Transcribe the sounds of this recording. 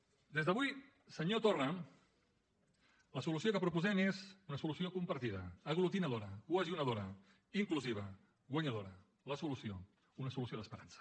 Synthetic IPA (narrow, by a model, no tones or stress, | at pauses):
d̪ezðəβuj | səɲot̪orə | ləsulusiokəpɾupuzɛmezunəsulusiokumpəɾt̪iðə̰ːɣ̞lut̪inəð̞oɾəkwəʒunəð̞oɾə | iŋkluziβ̞ə | ɣwəɲəðoɾə | ləsulusio | unəsulusioðəspəɾansə̥